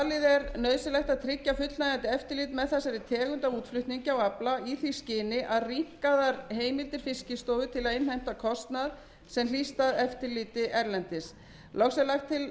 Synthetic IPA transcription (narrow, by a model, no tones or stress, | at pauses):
alɪðɛɾnœːɥsɪlɛxt̪aðt̪ʰɾɪcːafʏt̪lnajant̪ɪɛft̪ɪɾliːt̪mɛðθɛsaɾɪt̪ʰɛːɣʏnt̪auːt̪flʏht̪niɲcɪawaplaiθiscɪːnɪʔaðrim̥kaðaɾɦeːjmɪlt̪ɪɾ̥fɪscɪst̪oːwvʏt̪ʰɪlaðɪnhajm̥t̪akʰɔst̪nað | sɛml̥ist̪aðɛft̪ɪɾliːt̪ɪʔɛɾlɛnt̪ɪs | lʔɔxsɛlaxt̪ʰːɪl